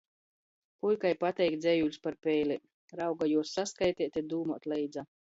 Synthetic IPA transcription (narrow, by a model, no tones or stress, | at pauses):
kujʲkajpat̪ʲɛjkd̪zʲɛjulʲspaɾpʲɛjlʲi | ɾawɡajuɔsːaskajt̪ʲɛɛt̪ʲed̪uːmuɔt̪lɛjd̪za